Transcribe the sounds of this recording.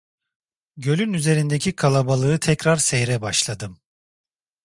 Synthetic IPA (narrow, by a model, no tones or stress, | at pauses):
ɟø̞lʲynyze̞ɾind̪ecʰikʰalˠabalˠɯːɯt̪ʰɛcɾaɾsejɾɛbaʃlˠad̪ɯm